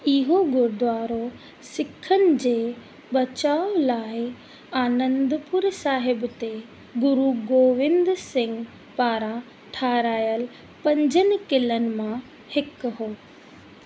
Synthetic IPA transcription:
ɪɦoɡʊɾd̪ʋaːɾo | sɪkʰːənɪ̆d͡ʑeː | bɐt͡ɕaːolaːɪ | aːnə̃nd̪pʊɾsaːɦɪbt̪e | ɡʊɾuɡoːʋɪ̃nd̪sɪ̃ŋɡ | paːɾã | ʈʰaːɾaːjəl | pɐ̃ɲd͡ʑənɪ̆kɪlənɪ̆mã | hɪkɦoː

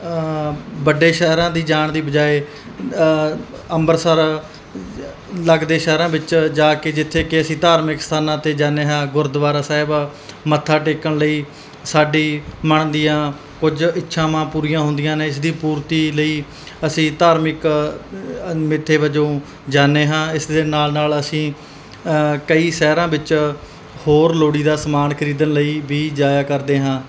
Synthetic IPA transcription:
bəɖːeːʃəɦɾãːd̪iːd͡ʒaːɳd̪iːbəd͡ʒaːeː | əmbəɾsəɾ | ləɡd̪eːʃəɦɾãːbɪt͡ʃd͡ʒaːkeːd͡ʒɪt̪ʰːeːkɪəsĩːt̪aːɾmɪkst̪ʰaːnãːt̪eːd͡ʒaːneːɦãːɡʊɾd̪ʋaːɾaːsaːɪb | mət̪ʰːaːʈeːkəɳləiː | saːɖiːməɳd̪ijãː | kʊd͡ʒɪtːʃʰãːmãːpuːɾijãːɦʊ̃nd̪ɪjãːneːɪs̬d̪iːpuːɾt̪iːləiː | əsĩːt̪aːɾmɪk | mɪt̪ʰːeːʋəd͡ʒõː | d͡ʒaːneːɦãːɪsd̪eːnaːlnaːləsĩː | kəiːsɛːɾãːbɪt͡ʃ | hoːɾloːɽiːd̪aːsəmaːnkʰəɾiːd̪ənləiːʋiːd͡ʒaːjaːkəɾd̪eːɦãː

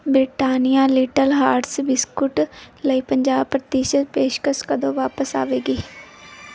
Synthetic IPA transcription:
bɾɪʈaːnijaːliːʈəlɦaːɾɖsbɪskʊʈləiːpəɲd͡ʒaːbpɾət̪iːʃət̪̚peːʃkəskəd̪õːʋaːpəsa̰ːʋeːɡiː

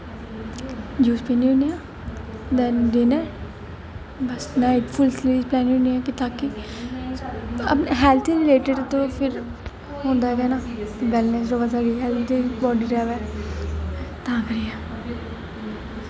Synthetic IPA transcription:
d͡ʒuːspeːnĩɦõːneaː | d̪ɛnd̪inɛː | bəsnaːɪʈpʰʊlsliːsplɛːñõːniɛːkɪt̪aːki | ə̰pnaɦɛːlt̪ʰiɾɪleːʈɪɖt̪oːpʰɪɾ | ɦõːnd̪aːɛkɛːnaːbɛlnesɾoːɡazaɡiɦɛːlt̪ʰd̪iːbɔːɖiːɾaːʋɛː | t̪ãːkəɾijɛː

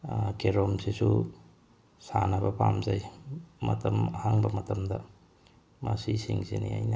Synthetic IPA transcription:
keɾomsisu | sanɐbɐpʰamzajmɐtɐmɐhaŋbɐmɐtɐmdɐ | masisiŋsiniajnɐ

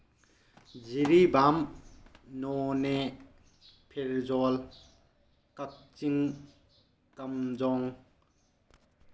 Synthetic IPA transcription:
ziɾibam | nɔne | pʰeɾzɔl | kɐk̚t͡ʃiŋ | kɐmd͡ʒɔŋ

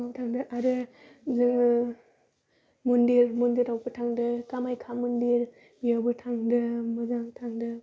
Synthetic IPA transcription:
abtʰaŋdɯʔaɾɯ | z | mundiɾmundiɾawpɯtʰaŋdɯkamajkʰamundiɾ | jawbɯtʰaŋdɯmɯzaŋtʰaŋdɯ

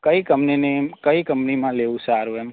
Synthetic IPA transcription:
kəikəmpninekəikəmpnimãleusaɾuem

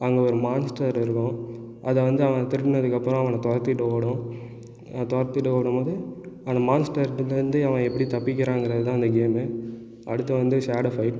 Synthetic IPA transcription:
ɐŋɡeɔɾɯmaːnsʈɐɾɪɾɯkːʊ̃ | ʔɐðɐʋɐnd̪ɯɐʋɐ̃t̪ɪɾɯʈːnɐðɯkːɐpːɯɾʊ̃ɐʋɐnɐ̃t̪ɔɾɐɾt̪ːɪʈːɯpoːɽʊ̃ | t̪ɔɐɾt̪ːɪʈːɯpoːɽɯmpoːðɯɐnɐmaːnsʈɐɾʈːɯlɐnd̪ɯɐʋɐ̃ɛpːɐɽit̪ɐpːɪk̬ʲːɪɾãːŋɡɪɾɐðɯt̪ãːɐnd̪ɐɡeːmɯ | ʔɐɽɯt̪ːɐʋɐnd̪ɯsaːɽɐfɐɪʈ

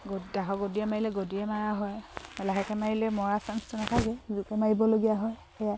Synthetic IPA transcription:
ɡodaɦɔɡodiɛmaɹilɛɡodiɛmaɹaɦɔjɛlaɦɛkɛmaɹilɛmɔɹasanstɔnatʰakɛzukɛmaɹibɔloɡijaɦɔj | ɛja

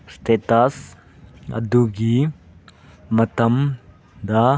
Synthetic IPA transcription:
st̪ʰet̪as | ɐ̰d̪uɡi | mɐt̪ɐm | d̪a

